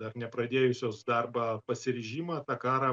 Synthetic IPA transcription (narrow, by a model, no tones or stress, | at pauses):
d̪ɐrnʲɛpɾɐd̪ʲeːjʊsʲoːsd̪ɐrbɑːpɐsʲɪɾʲɪʒʲiːmɐːt̪ɑkɑːɾɐ